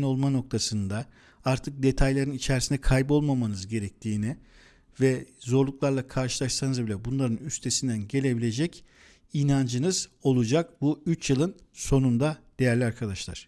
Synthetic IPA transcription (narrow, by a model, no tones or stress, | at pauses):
no̞lˠmano̞k̚t̪ʰasɯnd̪a | aɾt̪ʰɯk̚d̪e̞t̪ʰajlʲˠaɾɯnit͡ʃʰæɾsinɛkʰajbo̞lˠmamanɯzɟe̞ɾɛc̚t̪ʰiːnɪ | vɛzo̞ɾlˠuklˠaɾlˠakʰaɾʃɯlˠaʃsanɯzbilʲɛbunlˠaɾɯnyst̪ʰe̞sind̪ænɟe̞lʲe̞bilʲe̞d͡ʒɛc | inand͡ʒɯnɯz̥o̞lˠud͡ʒakbuyt͡ʃjɯlˠɯnso̞nund̪ad̪̥e̞jæɾlʲiaɾkʰad̪aʃlˠa̰ɾ̥